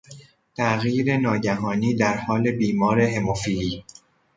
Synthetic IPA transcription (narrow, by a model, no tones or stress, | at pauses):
t̪ʰæʔɣjiːɾe̞nɒːɟæɦɒːniːd̪æɾhɒːle̞biːmɒːɾe̞ɦe̞mofiɾiː